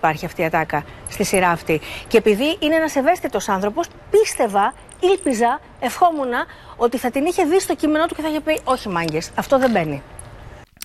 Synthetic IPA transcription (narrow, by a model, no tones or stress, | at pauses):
pɐɾçiɐft̪iɐt̪ɐkɐst̪isiɾɐːft̪ice̞epiðiʔineenɐse̞ve̞st̪it̪o̞sɐnθɾo̞po̞s | pist̪e̞vɐ | ilpizɐ | e̞fxo̞munɐo̞t̪iθɐt̪iniçe̞ðist̪o̞cime̞no̞t̪u̥ce̞θɐiçepio̞çimɐɲɟe̞sɐft̪o̞ðembe̞ni